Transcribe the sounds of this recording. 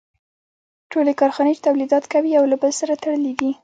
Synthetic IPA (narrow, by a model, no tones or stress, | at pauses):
ʈolekɑɾxɑnet͡ʃe̥t̪awlid̪ɑt̪kawiawlabəlsaɾat̪aɽəlid̪i